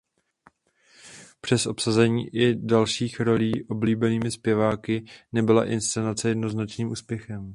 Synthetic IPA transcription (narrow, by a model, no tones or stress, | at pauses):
pr̝̥ɛsʔo̞psazɛɲḭːʔɪdalʃiːxɾo̞liːʔo̞bliːbɛniːmɪspjɛvaːkɪnɛbɪla̰ʔɪnst͡sɛnat͡sɛjɛdno̞znat͡ʃniːmʔuːspjɛxɛm